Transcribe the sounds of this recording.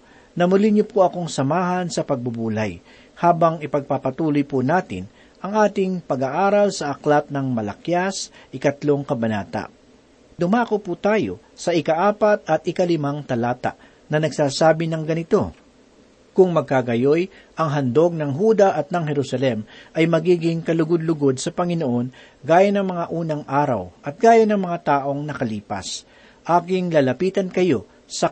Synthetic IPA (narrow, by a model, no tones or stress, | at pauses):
nɐmʊlɪɲʊpoʔɐko̞ŋsɐmaːɦɐnsɐpɐɡ̚bʊbuːlaj | haːbɐŋɪpɐɡ̚papɐt̪uːlʊjpunaːt̪ɪ̰n | ʔɐŋʔaːt̪ɪŋpɐɡaʔaːɾɐlsɐʔɐklat̪̚nɐŋmɐlɐkjasʔɪkɐt̪lo̞ŋkɐbɐnaːt̪a̰ʔ | d̪̥ʊmaːkoput̪aːjo̞̰ | sɐɪkɐʔaːpat̪̚ɐt̪̚ʔɪkɐlɪmaŋt̪ɐlaːt̪a̰ʔ | nɐnɐɡ̚saːsaːbɪnɐŋɡɐnɪt̪o̞ | kʊŋmɐɡ̚kaɡɐjo̞j | ʔɐŋɦɐnd̪o̞ɡ̚nɐŋɦuːd̪ɐʔɐt̪̚nɐŋɦɛɾusɐlɛmʔɐjmɐɡiːɡɪŋkɐlʊɡʊd̪̚lʊɡo̞d̪̚sɐpɐŋɪno̞ʔo̞n | ɡaːjɐnɐŋmɐŋaʔuːnɐŋʔaːɾɐ̰wʔɐt̪̚ɡ̥aːjɐnɐŋmɐŋat̪aːʔo̞ŋnɐkɐliːpɐ̰s | ʔaːkɪŋlalɐpiːt̪ɐnkɐjo̞ | sɐ